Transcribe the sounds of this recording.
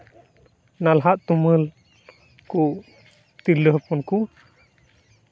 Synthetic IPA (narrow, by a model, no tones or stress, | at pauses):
nalɦaʔt̪uməl | kuʔ | t̪iləhpɔnku